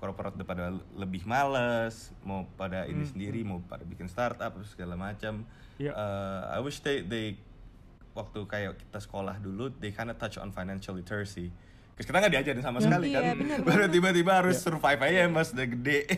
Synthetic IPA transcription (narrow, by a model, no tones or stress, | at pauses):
korpoɾat̪̚dəpadaləbɪhmaləs | mawpadaʔḭnisəndiɾimawpa̰dabikɪnst̪art̪ap̚səɡalamat͡ʃam | ʔəa̰jwɪʃd̪ede | wak̚t̪ukajaki̥t̪asə̥kola̰hduludekajndat̪at͡ʃɔ̰nfajnanʃalit̪ʰəɹsi | kʊskit̪aŋɡaʔdiad͡ʒaɾɪnsamasəkalikanbaɾant̪ibat̪ibaɦaɾʊsəɾufajfajɛmbasdəɡəde